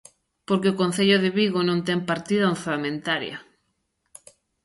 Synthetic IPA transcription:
poɾkeokon̟θeʎoðɪβiɣonõnt̪ɛŋpaɾt̪iðaonθalamẽnt̪aɾjɐ̰

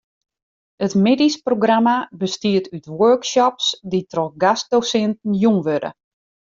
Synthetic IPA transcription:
ətmedisproɡramabəstiətʰytwøɹksɔpsditʰrɔxɡast̚dosɛntn̩jumʋødə̰

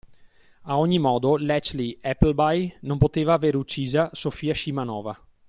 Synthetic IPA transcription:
aoɲːimɔːd̪olɛt͡ʃliɛpːlbajnompot̪eːvaːveːɾut͡ʃːiːzasofiːaʃimanɔ̰ːva

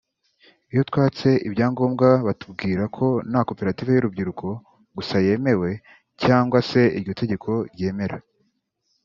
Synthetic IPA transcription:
ijotwaːt͡se̞ʔibɟaːŋɡo̞ːmɡaβatub̚ɡiːɾakʰo̞nako̞pe̞ɾatiːve̞juɾub̚ɟiɾukʰo̞ | ɡusaje̞ːmewe̞ | caːŋɡwase̞iɾɟo̞tʰe̞ɟe̞kʰo̞ɾje̞ːme̞ɾa

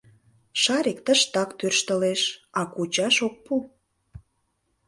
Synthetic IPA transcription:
ʃɑɾek̚t̪əʃt̪ɑkt̪ørʃt̪ə̆leʃɑkut͡ɕɑʃok̚pu

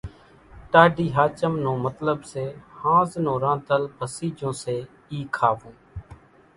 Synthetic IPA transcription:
ʈaːɖiːɦaːt͡ʃəmnõːmət̪ləbseːhãːznõːɾãːnt̪əlbʱəsiːd͡ʒõːseː | iːkʰaːʋõː

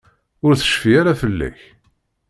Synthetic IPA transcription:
ʊɾθə̥ʃfiaɾafəlːæ̰ç

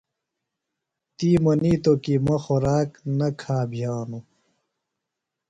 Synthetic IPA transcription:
t̪iːmɐniːt̪okimɐxoɾaːknɐkʰaːbʱijaːnu

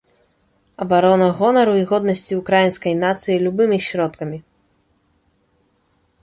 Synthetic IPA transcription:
ɐbaɾɔnɐɣɔnɐɾuiɣɔd̪nɐsʲt͡sʲiukɾajinskɐjnat̪sɨjilʲubɨmʲiɕʲɾɔt̪kɐmʲi

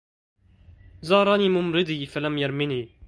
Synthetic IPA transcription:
zɑːɾˤɑːniːmumɾɪd̪ifɐlɐmjɐɾmini

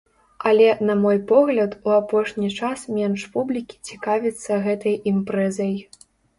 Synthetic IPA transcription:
ɐlʲɛnɐmɔjpɔɣlʲɐt̪uapɔʂnʲit͡ʂasmʲɛnʂpublʲikʲi̥t͡sʲikavʲit̪sːɐɣɛt̪ɐjimpɾɛzɐj

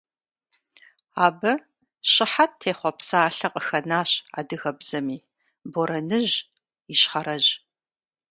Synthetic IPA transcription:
aːbɐ | ɕʼɪħatʰːeːχʷɔpsaːɬɐqʼəxɐnaːɕa̰ːdɨɣɐbz̥ɐmiː | boɾɐnɨʑ | iɕχɐɾɐʑ

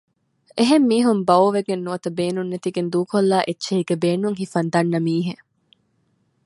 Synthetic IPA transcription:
ʔeɦemːiːɦumbɐoʋeɡenːuʋɐt̪ɐbeːnunːet̪iɡend̪uːkolːaːʔetːʃeɦiɡebeːnuŋɦifɐnd̪ɐnːɐmiːɦe

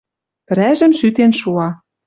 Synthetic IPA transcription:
pɘ̆ɾæʒə̆mʃyt̪enʃuɑ

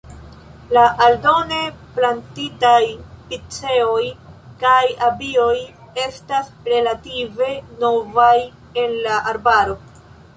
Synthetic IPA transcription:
laʔaldo̞neplantitajpit͡se̞o̞jkajabio̞j | e̞stas | ɾe̞lative̞no̞vaj | e̞nlaʔaɾbaɾo̞

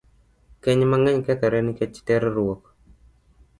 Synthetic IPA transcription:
kɛɲmaŋɛɲkɛt̪ɔɾɛnɪkɛt͡ʃi̥tɛɾɾuwɔk

